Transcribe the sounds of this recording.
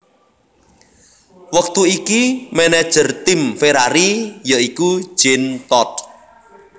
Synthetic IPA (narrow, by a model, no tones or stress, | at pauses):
wək̚t̪uikimɛnɛd̥ʒ̥ə̤rt̪ɪmfeɾaɾijəiku̥ʒ̥ɛnt̪ɔt̪̚